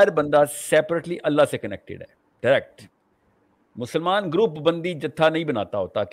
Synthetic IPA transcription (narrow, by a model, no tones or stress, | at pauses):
əɾbənd̪aːsɛːpəɾeʈliːʔəlːaːseːkənɛ̰k̚ʈɪ̰ɖɦɛ̰ː | ɖəɾɛk̚ʈ | mʊsəlmaːnɡɾuːpbənd̪iːd͡ʒət̪ʰːaːnəĩːbənaːt̪aːɦoːt̪aːk